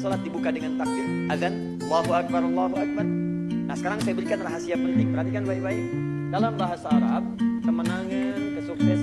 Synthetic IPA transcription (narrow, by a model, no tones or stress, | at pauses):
solat̪̚dibukadəŋant̪ak̚lɪt | aðan | lːaɦuak̚baɾɑlːaɦuak̚bar | nahsəkaɾaŋsajabəɾikanraɦasiapənt̪ɪŋpərhat̪ikanbaibai | dalambaɦasaːɾaab̚t̪əmənaŋakəsuksɛ